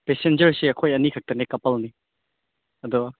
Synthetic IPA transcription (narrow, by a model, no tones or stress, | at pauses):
pesend͡ʒɐɾsiɐkʰojɐnikʰɐk̚tɐnekɐpɐlni | ɐdɔ